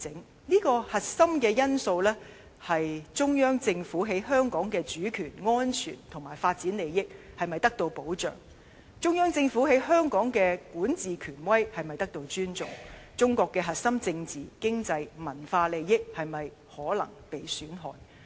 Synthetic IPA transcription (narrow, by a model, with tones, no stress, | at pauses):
ɪ˨˥ŋ | niː˥kɔː˧hɐ˨t̚sɐ˥mkɛː˧jɐ˥nso˧wlɛː˥ | hɐ˨jt͡ʃʊ˥ŋjœː˥ŋt͡sɪ˧ŋfuː˨˥ɦe˨˥jɦœː˥ŋkɔː˨˥ŋkɛː˧t͡ʃyː˨˥kʰyː˨˩nŋɔː˥nt͡ʃʰyː˨˩nt̪ʰʊ˨˩ŋmaː˨˩jfaː˧t̚t͡siː˨˥nle˨˧jjɪ˥k̚ | hɐ˨jmɐ˨˩jt̪ɐ˥k̚t̪o˧wpo˨˥wt͡ʃœ̰ː˨ŋ | t͡ʃʊ˥ŋjœː˥ŋt͡sɪ˧ŋfuː˨˥he˨˥jɦœː˥ŋkɔː˨˥ŋkɛː˧kuː˨˥nt͡siː˨kʰyː˨˩nwɐ˥jhɐ˨jmɐ˨jt̪ɐ˥k̚t̪o˧wt͡ʃyː˥nt͡sʊ̰˨ŋt͡ʃʊ˥ŋkɔː˧kːɛː˧ɦɐ˨t̚sɐ˥mt͡sɪ˧ŋt͡siː˨kɪ˥ŋt͡sɐ˧jmɐ˨˩nfaː˧le˨˧jːɪ˥k̚hɐ˨jmɐ˨j | hɔː˨˥lɐ̰˨˩ŋpe˨jsyː˨˥nɦɔ̰ː˨˩n